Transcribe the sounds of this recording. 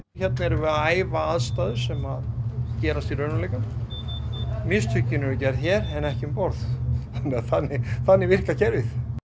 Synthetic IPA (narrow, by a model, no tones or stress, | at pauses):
çɛt̪naɛɾɛvʏaːjvaaðst̪aːðʏɾ̥sɛmaðcɛːɾast̪iɾœɥnʏlejkan | mɪst̪ʰhʏcːɪnɛɾʏcɛɾçɛɾɛnɛhcɪɪmpɔɾθθanːɪaθanːɪθanːɪvɪr̥kacɛɾvɪθ